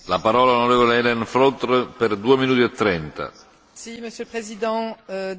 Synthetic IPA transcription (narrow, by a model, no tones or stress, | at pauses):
lapaɾɔːlalonoɾɛːvɔleɛlɛnfɾɔt̪rpɛrd̪uːeminuːt̪iat̪ːɾɛnt̪a̰ | siməsjølpχezid̪ɑ̃